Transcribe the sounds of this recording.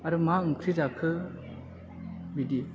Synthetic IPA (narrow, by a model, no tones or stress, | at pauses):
aɾɯmaɯŋkʰɾizakʰɯ | bidi